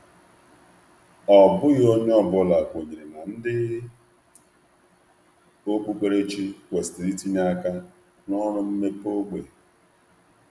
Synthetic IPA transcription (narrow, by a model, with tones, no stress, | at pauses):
ɔ˨bʊ˦ɣo˦ɲ˦ɔ˦bʊ˦la˨kʷo˨ɲi˨e˨na˨n̩˦dɪ˦ | o˦k͡pu˦k͡pʷe˦ɾe˦t͡ʃi˦kʷe˨ste˨ɾi˦ti˦ɲ˦a˦ka˦ | nɔ˦ɾʊ˦m̩˦me˦po˦ɡ͡be˨